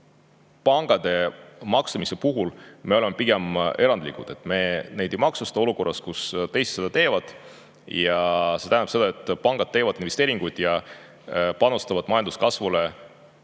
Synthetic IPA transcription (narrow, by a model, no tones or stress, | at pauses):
pɑŋɡ̥ɑd̪e̞mɑksɑmise̞puɦulme̞olemepiɡe̞me̞ɾɑnd̪̥likud̪̥e̞t̪ːˑme̞ne̞jd̪ejmɑksust̪ɑo̞luko̞rːɑskust̪e̞jse̥t̪se̞d̪ɑt̪e̞ːvɑd̪̥ | jɑse̞t̪æːnɑpse̞d̪ɑe̞t̪ːˑpɑŋɡ̥ɑd̪̥̚t̪e̞ːvɑd̪̥invest̪eːɾiŋɡ̥ujd̪̥jɑ | pɑnust̪ɑvɑd̪mɑjɑnd̪u̥skɑsvule̞